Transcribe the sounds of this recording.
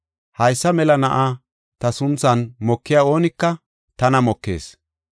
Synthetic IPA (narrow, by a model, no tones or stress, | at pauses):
hɐjsːɐmɛlɐnɐʔa | t̪ɐsʊnt͡sːɐnmɔkːɪjaːo̞ːnɪkːɐ | t̪ɐnɐmɔkːḛːs